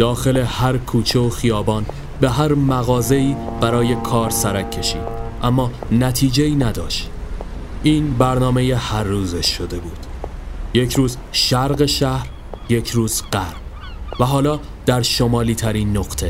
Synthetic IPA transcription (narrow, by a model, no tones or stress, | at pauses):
d̪̥ɒːxe̞le̞hæɾkʰuːt͡ʃʰeoxijɒːbɒːn | be̞ɦæɾmæɣɒːze̞iːb̥æɾɒːje̞kʰɒːɾsæɾækʰːe̞ʃḭːd̪̥ʔæmːɒːnæt̪ʰiːd͡ʒeiːnæd̪ɒ̰ːʃt̪ | ʔiːnbæɾnɒːme̞jehæɾːuːzeʃːod̪e̞buːd̪̥je̞cʰɾuːz | ʃæɾɣe̞ʃæhɾ | je̞cʰɾuːzɢæɾb | væɦɒːlɒː | d̪̥æɾʃo̞mɒːliːt̪ʰæɾiːnːoɣ̥t̪ʰe̞